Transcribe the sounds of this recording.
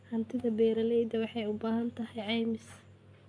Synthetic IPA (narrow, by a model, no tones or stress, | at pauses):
ħɐnt̪ʰɪðɐbɛːɾɐlɛjd̪ɐwɑħɑjʊbaːɦɐnt̪ʰɐhɛjʕɑːmɪs